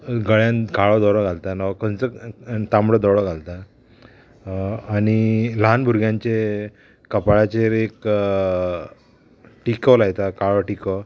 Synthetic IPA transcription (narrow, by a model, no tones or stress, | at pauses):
ɡəɭjãnkaɭɔd̪ɔɽɔɡʱalt̪anakənt͡sət̪ambɽəd̪ɔɽɔɡʱalt̪a | aɽ̃ilanbʱuɾɡjãɲt͡ɕeː | əpaɭat͡ɕeɾek | ʈikɔlajt̪akaɭɔʈikɔ